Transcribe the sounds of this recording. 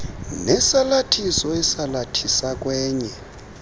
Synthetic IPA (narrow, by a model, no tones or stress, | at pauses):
nɛsalatʰisɔɛsalatʰisak̬ʼwɛːɲɛ